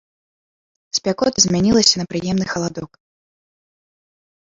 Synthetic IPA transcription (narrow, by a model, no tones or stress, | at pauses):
sʲpʲakɔt̪ɐzʲmʲanʲilˠɐsʲɐnɐpɾɨjɛmnɨxɐlˠad̪ɔk